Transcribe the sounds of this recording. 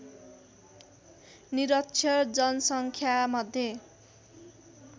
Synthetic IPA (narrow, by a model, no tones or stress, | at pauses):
niɾʌkt͡sʰjʌd͡zʌnʌsʌŋkʰjamʌd̪ʱːje